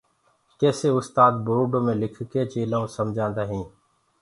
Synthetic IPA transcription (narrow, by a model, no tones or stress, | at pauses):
kɛːseːʊst̪aːd̪̚bʊɾuːɖõːmẽːlɪkʰkeːt͡ʃeːlõːsəmd͡ʒʱãːnd̪aːɦĩː